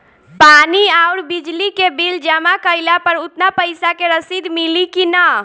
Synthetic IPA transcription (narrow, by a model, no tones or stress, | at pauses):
paniaʊɾbid͡ʒlikebild͡ʒəmakəjlapəɾut̪napəjsakeɾəsid̪milikinə